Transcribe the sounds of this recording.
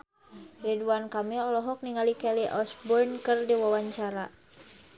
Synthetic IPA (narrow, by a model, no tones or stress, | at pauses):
riduankamiɔlɔɦɔk̚niŋalikɛliʔɔsbɔrnkɨrdiwawaɲt͡ʃaɾa